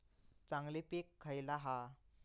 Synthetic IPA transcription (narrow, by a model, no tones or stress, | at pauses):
t͡saŋlipikʰːəjlaɦa